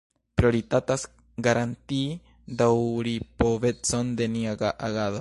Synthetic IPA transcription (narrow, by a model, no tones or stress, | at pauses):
pɾio̞ɾitatas | ɡaɾʔant̪i | d̪awɾipoβe̞t͡so̞nde̞niaɡaʔaɡaðo